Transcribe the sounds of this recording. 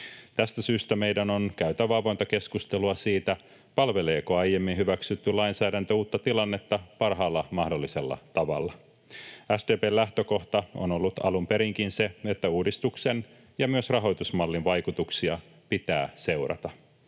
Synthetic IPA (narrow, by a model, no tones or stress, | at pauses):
t̪æst̪æsyːst̪æme̞jdæno̞nkæyt̪æʋɑlʋont̪ɑke̞skust̪e̞luɑsiːt̪æ | pɑlʋe̞le̞ːkoɑjjemːinhyʋæksyt̪ːylɑinsæːɾænt̪øuːt̪ːɑt̪ilɑnːe̞t̪ːɑpɑrɦɑːlːɑmɑhdo̞lːise̞lːɑ̰t̪ɑʋɑ̰lːɑ | æsd̪eːpeːlæht̪øko̞ht̪ɑo̞̰no̞lːut̪ɑ̰lumpe̞ɾiŋkinse̞et̪ːæuːdist̪ukse̞n | jɑmyøsrɑɦo̞jt̪usmɑlːinʋɑjkut̪uksiɑ | pit̪æ̰ːse̞wɾɑ̰t̪ɑ